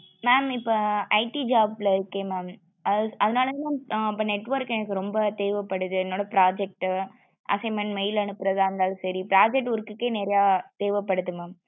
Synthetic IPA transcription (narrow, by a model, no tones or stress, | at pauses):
naːnɪpːoɐɪʈid͡ʒaːblɐɪɾɯkːeːmaːm | ʔɐɐðɐnaːlɐnaɪpːɐːnɛʈːʋɐɾkɛnɐkːɯɾɔmbɐt̪eːʋɐpːɐɽɯðɯɛnːoːɽɐpɾaːd͡ʒɛk̚ʈɯ | ʔɐ̰sɐɪmɐɳmɛjɪlɐnɯpːɯɾɐðaːɾɯnd̪aːlɯ̃sɐɾipɪɾaːd͡ʒɛk̚ʈʊɾɯkːɯkːeːnɛːɾɐjaːt̪eːʋɐpːɐɽɯt̪ːɯmam